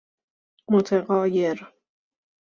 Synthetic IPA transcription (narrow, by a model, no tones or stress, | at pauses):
mot̪ʰeɣɒːjeɾ